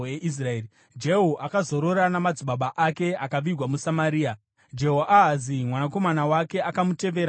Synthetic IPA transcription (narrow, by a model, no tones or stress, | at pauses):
eʔis̬raeːi | d͡ʒeɦoʔakazo̞ɾo̞ɾanamad͡ziɓaɓaʔake̞akaʋirwamusamaɾiːa | d͡ʒe̞ɦoʔaɦazimwanako̞manawake̞akamute̞ʋe̞ːɾa